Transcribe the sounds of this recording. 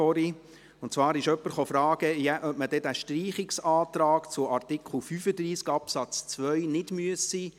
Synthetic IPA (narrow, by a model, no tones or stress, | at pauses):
ɔɾi | ʊntt͡svɑːɾɪʃœpːəɾχofɾɑːɡ̥əjæʔœpməd̥ɛdæʃtriːχɪksɑːt̪ɾɑːkt͡sʊʔɑrt̪ɪkʰχl̩fyːfəd̪ɾiːskɑpsɑt͡st͡sʋœɥnɪdmyəsːiː